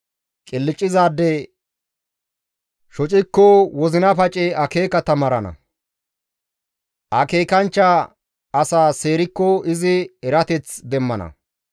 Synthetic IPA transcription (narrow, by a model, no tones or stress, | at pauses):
kʼɪlːɪt͡ʃʼːɪzaːd̪ːɛ | ʃɔt͡ʃʼɪkːɔwɔzɪnɐpɐt͡ʃʼɛɐke̞ːkɐt̪ɐmɐɾɐnɐ̰ | ʔɐke̞ːkɐnt͡ʃːa | ɐsaːse̞ːɾɪkːɔɪzɪɛɾɐt̪ɛt͡sd̪ɛmːɐnɐ̰